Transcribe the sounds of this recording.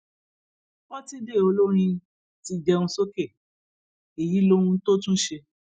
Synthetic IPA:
wɔ̃˦ti˦de˦˨o˧lo˦ɾ̃ĩ˧ | ti˧d͡ʒɛ˧ũ˧so˦ke˦˨ | e˨ji˨˦lõ˦ũ˧˦to˦tũ˦ʃe˧

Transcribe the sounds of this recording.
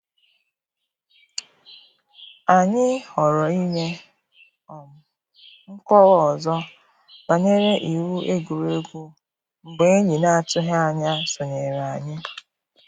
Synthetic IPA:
a˨ɲɪ˦ɔ˨ɾɔ˨i˦ɲe˦ | ɔ˨m˨ | ŋ̩˦kɔ˦wɔ˨zɔ˦ | ba˨ɲe˦ɾe˦ʔi˨wu˦ʔe˦ɡu˨ɾe˦ɡʷu˦ | ŋ͡m̩˨ɡ͡be˨e˦ɲi˨na˦a˦˨tʊ˦ɦe˦a˨ɲa˦sʊ˨ɲe˨ɾa˨a˨ɲɪ˦

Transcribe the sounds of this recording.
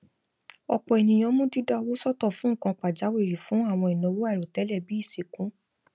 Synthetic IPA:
ɔ̰˧k͡pɔ˧ɛ˨nĩ˨j̃ɔ̃˧˦mũ˦di˦da˧o˧wo˦sɔ˦tɔ˦˨fũ˨˦ŋ̩˦˨kã˧k͡pa˨d͡ʒa˨˦we˦˨ɾi˨fũ˨˦a˦˨w̃ɔ̃˧i˨nɔ̃˨˧˦wo˦a˦˨ɾo˨tɛ˨˦lɛ˦˨bi˨˦i˦˨si˨kũ˨˦

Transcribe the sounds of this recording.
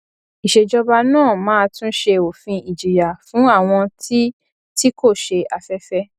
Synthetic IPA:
i˨ʃe˨d͡ʒɔ˧ba˧nãː˦˨mãː˦tũ˦ʃe˧o˨fĩ˧i˨d͡ʒi˨ja˨fũ˨˦a˦˨w̃ɔ̃˧ti˦ | ti˦ko˦˨ʃe˧a˧fɛ˦fɛ˦

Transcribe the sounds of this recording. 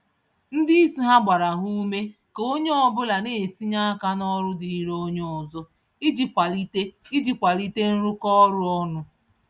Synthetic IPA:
n̩˦di˦i˦si˦ɦa˦ɡ͡ba˨ɾa˨ɦu˦me˦ke˨o˦ɲe˦ɔ˦bʊ˦la˨neː˨ti˦ɲa˦ka˦nɔ˦ɾʊ˦di˨i˦ɾo˦ɲ˦ɔ˨zɔ˦ | i˦d͡ʒi˨kʷa˨li˦te˦i˦d͡ʒi˨kʷa˨li˦te˦n̩˦ɾʊ˦kɔ˦ɾʊ˦ɔ˦nʊ˦

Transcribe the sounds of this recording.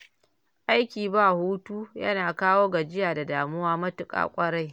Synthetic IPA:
ʔa˦jkʲiː˨baː˦˨huː˦tuː˦jɐ̰˦naː˨kaː˦woː˦ɡa˨d͡ʒɪ˦jaː˨da˨daː˨mʊ˦waː˦mɐ˦tʊ˨kʼa̰ː˨kʷʼɐ˦ɽa˦j

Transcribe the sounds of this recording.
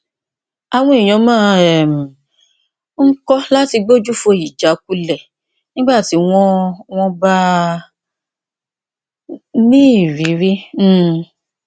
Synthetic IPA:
a˨w̃ɔ̃˧i˨j̃ɔ̃˨˦mãː˦ɛ˨mĩ˨ | ŋ̩˦kɔ˦la˦ti˧ɡ͡bo˦d͡ʒu˦fo˧˨i˨d͡ʒa˨˦k̚u˦lɛ˦˨ | nĩ˦ɡ͡ba˦˨ti˨˦w̃ɔ̃˦w̃ɔ̃˧ba˦ | nĩ˦˨ɾi˨˦ɾĩ˦˨

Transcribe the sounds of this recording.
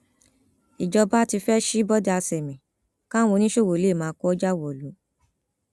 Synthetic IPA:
i˨d͡ʒɔ˧ba˦ti˧fɛ˦ʃi˦bɔ˦da˦˧a˧sɛ˨mĩ˨ | kã˦wo˧nĩ˦ʃo˦˨wo˨le˨˦˨mãː˨˦kɔ˦ɔ˦d͡ʒa˦wɔ˨lu˨˦

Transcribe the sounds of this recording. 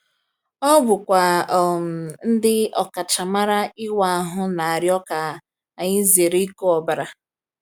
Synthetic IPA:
ɔ˦bʊ˨kʷa˨ | n̩˦dɪ˦ɔ˨ka˨t͡ʃa˨ma˦ɾa˦ɪ˦wa˨a˨ɦʊ˦na˨a˨ɾjɔ˦ka˨ | a˨ɲɪ˦ze˨ɾe˦ko˦ɔ˨ba˨ɾa˦

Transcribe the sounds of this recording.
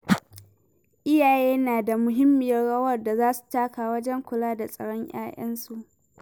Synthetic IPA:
ʔɪ˦jaː˨jeː˦naː˨da˨mʊ˨ɦɪ˦mːɪ˨jɐ˦rɽɐ˦wɐ˦˨rda˨zaː˦su̥˨taː˦kaː˨wɐ˦d͡ʒɛ˦ŋkʷʊ˨laː˦da˨sʼɐ˨ɽɔ˦ɲj̰a̰ː˦ʔɐ˦nsu˨ʔ

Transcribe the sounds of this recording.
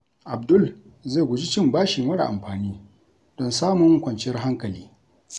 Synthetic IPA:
ʔa˨bdʊ˦l | ze˦˨ɡʷʊ˨d͡ʒi˦t͡ʃɪ˦mbaː˦ʃɪ˨ŋwɐ˦ɽa̰˨ʔa̰˨mɸaː˨niː˦ | d̥ɔ˦nsaː˦mʊ˦ŋ˦kʷɐ˨nt͡ʃɪ˦jɐ˦rɦa˦ŋkɐ˨liː˦

